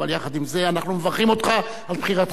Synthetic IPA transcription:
aljaχad̪imzeanaχnumevaʁχimo̞t̪χa | alpχiʁat

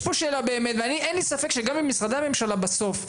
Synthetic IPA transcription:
poʃelabe̞ːmet̪veaniʔenlisafe̞kʃeɡamimisʁad̪aame̞mʃalabaso̞f

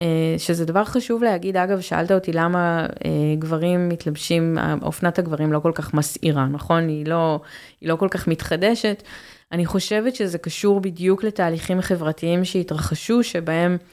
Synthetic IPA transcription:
eʃezedavaʁχaʃuvleaɡidaɡavʃaʔa̰ltaotilamaeɡvaʁimːitlabʃima̰o̰fnathaɡvaʁimlo̞ko̞lkaχmasiʁanɐχo̞nilo̞ | ilo̞ko̞lkaχmitχade̞ʃe̞t | aniχo̞ʃe̞vetʃezekaʃuʁbidjukle̞taːliχimaχe̞vʁatiimʃeitʁaχaʃuʃe̞bae̞m

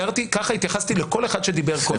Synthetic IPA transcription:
aʁt̪ikaχait̪jaχast̪ileko̞le̞χad̪ʃe̞d̪ibeʁko

